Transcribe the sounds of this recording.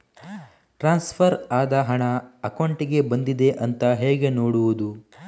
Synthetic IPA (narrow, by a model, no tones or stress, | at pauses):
ʈɾaːnspʰɐɾaːd̪ɐɦɐɳɐɐkoɳʈiɡe̞bɐnd̪id̪e̞ʔɐnt̪ɐɦɛːɡe̞noːɽuʋud̪u